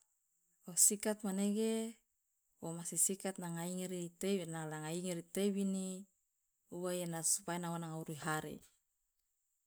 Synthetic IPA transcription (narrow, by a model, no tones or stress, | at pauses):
osikat̪̚maneɡe | womasisikat̪̚naŋaiŋeɾit̪enalaŋaiŋeɾit̪ewini | uwajanasu̥painawanaŋauɾiɦaɾḛ